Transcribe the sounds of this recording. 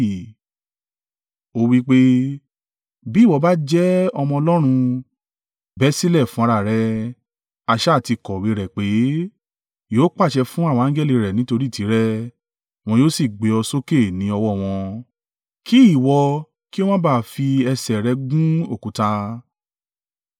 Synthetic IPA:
o˧wi˦k͡pe˦ | bi˦˨wɔ˧ba˦d͡ʒɛ˦ɔ˧mɔ̃˧ɔ˧lɔ˦ɾ̃ũ˧ | bɛ˦si˦lɛ˦˨fũ˦a˧ɾa˧˨ɾɛ˧ | a˧ʃɛ˦˨ti˧kɔ˨we˨˧˦ɾɛ˨k͡pe˨˦ | joː˦k͡pa˦˨ʃɛ˧fũ˦a˦˨wɔ̃˧ã˦ɡɛ˦˨li˧˨ɾɛ˨nĩ˦to˧ɾi˦˨ti˨˦ɾɛ˦ | w̃ɔ̃˧joː˦si˦˨ɡ͡be˨˧ɔ˧so˦ke˦˨nĩ˨˦ɔ˧wɔ˦˨w̃ɔ̃˧ | kʰi˦i˦˨wɔ˧ | ki˦o˦w̃ɔ̃˦baː˦˨fi˧ɛ˧sɛ˨ɾɛ˧ɡũ˦o˦˨kũ˨˦ta˧

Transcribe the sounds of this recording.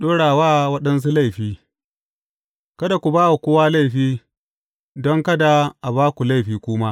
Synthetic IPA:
ɗoː˦ɽaː˨waː˦˨wɐ˦ɗɐ˦ns̬u˦la˦˨jɸiː˦ | kɐ˦da˨kʷu˨baː˦wa˨kʷʊː˦waː˦la˦jɸiː˦ | dɔ˦ŋkɐ˦da˨ʔa˨baː˦kʷu˨la˦˨jɸiː˨kʷʊː˦ma˦

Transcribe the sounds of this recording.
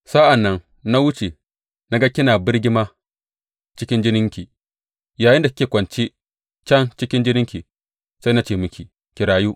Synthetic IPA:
sa˦ʔa˨nːɐ˦n | na˦wʊ˦t͡ʃe˨ | na˦ɡɐ˦kʲːɪ˦naː˨bɪ˦ɽɡʲɪ˦ma˦ | t͡ʃɪ˦kʲɪ˦nd͡ʒɪ˦nɪ˦ŋkʲi˨ | jaː˨jɪ˦ndḁ˨˦kʲeː˨kʷɐ˨nt͡ʃi˦ | t͡ʃɐ˦nt͡ʃɪ˦kʲɪ˦nd͡ʒɪ˦nɪ˦ŋkʲi˨ | sa˦jna˦t͡ʃeː˦˨mʊ˦kʲi˨ | kʲi˨ɾaː˨ju˦ʔ

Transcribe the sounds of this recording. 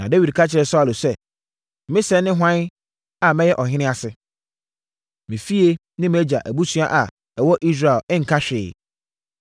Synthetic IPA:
nã˨de˦wi˨dkʰa˦t͡ɕʰɪ˨ɾɛ˨sɔ˦˨lʊ˨sɛ˦ | mɪ̃˦sɛ˨˦nːɪ̃˦ɦʷã˦n˦ | a˨mɛ̃˦jɛ˦ʔɔ˨ɦɪ̃˦nɪ̃˦a˨sɪ˦ | mɪ̃˨fi˦e˦ | nɪ̃˦mɛ˦d͡ʑa̰˨ʔæ˨bu˦sũ˦a˦ʔa˨ | ɛ˨wɔ˦ʔi˦s̬ɾa˨ɛ˨lɪ̃˦ŋ̩˨kʰa˦ɕᶣɪː˨

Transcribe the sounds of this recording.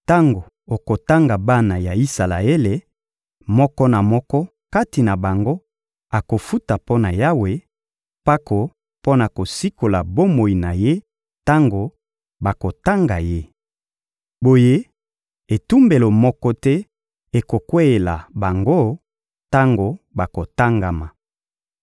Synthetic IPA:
ta˦ŋɡo˨ | o˨ko˨ta˦ŋɡa˨ba˦na˨ja˨i˦sa˨la̰˨e˦le˨ | mɔ˦kɔ˦na˨mɔ˦kɔ˦ | ka˦ti˨na˨ba˨ŋɡo˦ | a˨ko˨fu˦ta˨po˦na˨ja˦we˨ | pa˦kʰo˨ | po˦na˨ko˨si˦ko˨la˨bo˦mo˨i˨na˨je˦ | ta˦ŋɡo˨ | ba˨ko˨ta˦ŋɡa˨je˦ | bo˨je˦ | e˨tu˦mbe˨lo˨mɔ˦kɔ˦tɛ˦ | e˨ko˨kwe˦e˨la˨ba˨ŋɡo˦ | ta˦ŋɡo˨ba˨ko˨ta˦ŋɡa˨ma˨

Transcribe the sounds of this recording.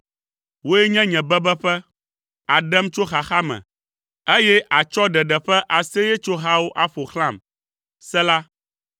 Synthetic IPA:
wo˦jɛ˦ɲɛ̃˦ɲɛ̃˨bɛ˦bɛ˦ɸɛ˦ | a˨ɖɛ˦mt͡ʃo˦xa˨xa˦mɛ̰̃˨ | e˦jɛ˦ʔa˨t͡ʃɔ˦ɖɛ˨ɖɛ˨ɸɛ˦ʔa˨se˦jɛ˦t͡ʃo˦ɦa˦wo˦ʔa˦ɸo˨xlã˦˨m | sɛ˦la˦

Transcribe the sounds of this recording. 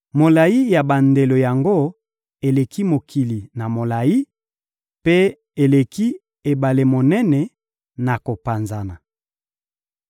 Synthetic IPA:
mo˨la˨ji˦ja˨ba˨nde˨lo˨ja˨ŋɡo˦ | e˨le˨ki˦mo˨kʰi˨li˨na˨mo˨la˨ji˦ | pe˦ | e˨le˨ki˦ | e˨ba˨le˨mo˨nɛ˦nɛ˨ | na˨ko˨pa˨nza˨na˨

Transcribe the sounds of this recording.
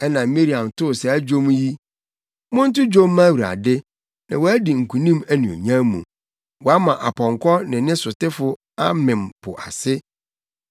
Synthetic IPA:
ɛ˦nã˨mi˦ɾi˨ã˨mtʰʊ˦˨sɛ˨æ˦d͡ʑᶣo˦m˦ji˦ | mʊ̃˦n̩˦tʊ˦d͡ʑo˦mː˦ã˦˨wu˨ɾa̰˨dɪ˦ | nã̰˨wɔ˨˦æ˦di˨ŋ̩˨kʰũ˨nĩ˦mæ˦nĩ˨o̰˨ɲã˦mũ˨ | wɔ˨a˦mã˨ʔa˨pʰɔ̃˨ŋkʰɔ˦nɪ̃˨nɪ̃˦sʊ˨tɪ˦fʊ˦ | a˦mɪ̃˨m˨pʰʊ̰˨ʔa˨sɪ˦

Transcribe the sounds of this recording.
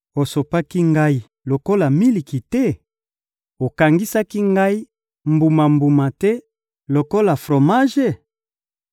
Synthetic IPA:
o˨so˨pa˦ki˦ŋɡa˦i˦ | lo˨ko˦la˨mi˦li˨ki˨tɛ˦ | o˨ka˨ŋɡi˦sa˦ki˦ŋɡa˦i˦ | mbu˨ma˨mbu˨ma˨tɛ˦ | lo˨ko˦la˨fʁo˨ma˦ʒe˦

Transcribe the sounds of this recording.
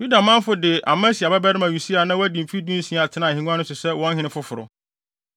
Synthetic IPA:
ju˦da˨mã˦m˦fʊ˨˦dɪ˨ʔa̰˨mã˦si˨a˨bɛ˦bɛ˦ɾɪ˦mã˨u˨si˦a˨nã˦wæ˦dĩ˨m˨fi˦dĩ˦n˦sĩ˦˨a˨tʰɪ˦nã˨hɪ̃˨nũ˦ã˦nʊ̃˦sʊ˨sɛ˦wɔ̃˦n˦ɦɪ̃˦nɪ̃˦fʊ˦fʊ˨ɾʊ̰˨

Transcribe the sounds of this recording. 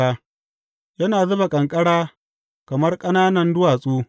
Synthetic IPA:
aː˦ | jɐ˦naː˨zʊ˦ba˨kʼɐ˨ŋkʼɐ˦ɽaː˦ | kɐ˨mɐ˦rkʼɐ˦naː˦nɐ˨ndʊ˦waː˨sʼuː˦

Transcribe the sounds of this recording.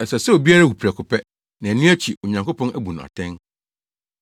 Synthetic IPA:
ɛ˨sɛ˨sɛ˦o˨bi˦a˦ɾa˦wu˨pʰi˨ɾɛ˨kʰʊ˨pʰɛ˦ | nã˨æ˨nũ˦æ˦t͡ɕʰi˨o˨ɲã˨ŋko˦pʰɔ̃˦næ˦bu˨nʊ̃˨a̰˨tʰɛ̃˦n

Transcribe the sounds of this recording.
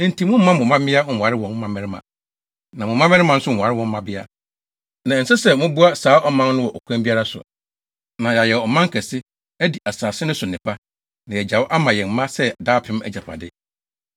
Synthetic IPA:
n̩˨tʰĩ˨mʊ̃˦m̩˦mã˦mʊ̃˨mã˦mɪ̃˦a˦ŋ̩˨a˨ɾɪ˦wɔ̃˨n˦mã˨mɪ̃˦ɾɪ˦mã̰˨ | nã˨mʊ̃˨mã˦mɛ̃˦ɾɪ˦mã˨n̩˦sʊ˦ŋ̩˨a˨ɾɪ˦wɔ̃˨m̩˦mã˨bɪ˦a̰˦ | nã˨n̩˨sɪ˦sɛ˨mʊ̃˦bu˦a˦saː˨˦ʔɔ˦mã˦nnʊ̃˦wɔ˨ʔɔ˨kʷʰã˦mbi˦a˦ɾa˦sʊ̰˨ | nã˨ja˨jɛ˨ɔ˨mã˦ŋ̩˦kʰɛ˨sɪ˦ | æ˦di˨ʔa˨saː˨sɪ˦nʊ̃˦sʊ˨nɪ̃˨pʰa˦ | nã˨jɛ˨d͡ʑa˨wʔa˦mã˨jɛ˨m˦mã˦sɛ˦˨daː˦pʰɪ̃˦m˦æ̰˨d͡ʑa˨pʰa̰˨dɪ˦

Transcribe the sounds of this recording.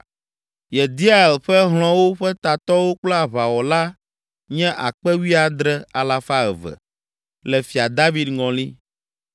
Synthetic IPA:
jɛ˨d̪i˦a˦e˨lɸɛ˦ɦl̃ɔ̃˦wo˦ɸɛ˦t̪a˨t̪ɔ˦wo˦k͡plɔ˦a˨βa˨wɔ˨la˦ | ɲɛ̃˦ʔa̰˨k͡pɛ˦wi˦a˦d̪ɾɛ˦a˨la˦fa˦ɛ̰˨vɛ̰˨ | lɛ˨fi˨a˨d̪a˦vi˦d̪ŋɔ̃˨li˦

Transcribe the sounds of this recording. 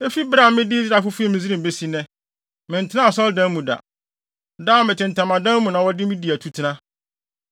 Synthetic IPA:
e˦fi˦bɾa˦˨˦mɪ̃˦dɪ˦zɾa˨fʊ˦fu˦ɛ˦˨mɪ̃˨zi˦ɾĩ˨be˦si˦nɛ̃˦ | mɪ̃˨n̩˨tʰɪ˦nã˦˨sɔ˦ldã˦mũ˨da̰˨ | daː˦mɪ̃˨tɪ̃˨n̩˨tʰã˨mã˨dã˦m˦mũ˨nã˨wɔ˦dɪ˦mɪ̃˦di˨æ˨tʰu˦tʰɪ˦nã˦

